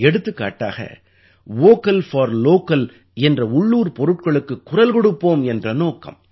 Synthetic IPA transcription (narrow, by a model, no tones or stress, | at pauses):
ɛɽɯt̪ːɯkːa̰ːʈːa̰ːɣɐ̰ | ʋoːkːɐlfɐːɾloːkːɐl | ɛndrɐʊɭːuːɾpɔɾɯʈ̚kɐɭɯkːɯkːʊɾɐlkɔɽɯpːoːmɛndrɐnoːkɐ̰m